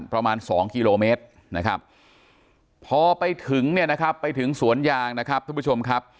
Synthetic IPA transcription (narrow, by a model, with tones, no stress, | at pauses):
npɾa˧maː˧nsɔː˩˦ŋkiː˧loː˧meː˦˥t̪̚ | na˦˥kʰa˦˥p̚ | pʰɔː˧pa˧jt̪ʰɯ˨˩˦ŋni˥˩ɐna˦˥kʰpːa˧jt̪ʰɯ˩˦ŋsu˩˦ənjaː˧ŋna˦˥kʰa˦˥p̪̚ʰa˥˩pu˦˥t͡ɕo˧m˧kʰa˦˥p̚